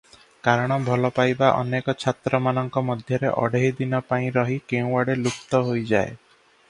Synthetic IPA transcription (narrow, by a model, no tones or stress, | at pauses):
kaɾɔɽ̃ɔbʱɔlɔpajbaʔɔ̰nekɔt͡ʃʰat̪ɾɔmanɔŋkɔmɔd̪ʱjɔɾeʔɔ̰ɽeɦid̪inɔpaĩɾɔɦikeũwaɽelukt̪ɔɦojd͡ʒae